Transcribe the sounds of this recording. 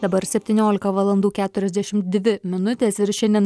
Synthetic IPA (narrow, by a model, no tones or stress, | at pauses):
d̪ɐbɐɾsʲɛpʲt̪ʲiːnʲoːlʲɪkɐʋɐlˠɐnd̪uːkʲæːt̪ʊɾʲɛzʲd̪ʲæʃʲɪmt̪d̪ʲʋʲɪmʲɪnʊt̪ʲeːsɪɾʃʲɛndʲɛn